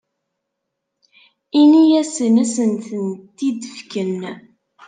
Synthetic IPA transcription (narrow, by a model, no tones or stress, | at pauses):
inijæsənæsənt̪ənt̪ːid̪əfkən